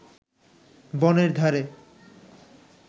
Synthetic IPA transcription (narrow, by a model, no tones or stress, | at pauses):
bɔneɾd̪ʱaɾe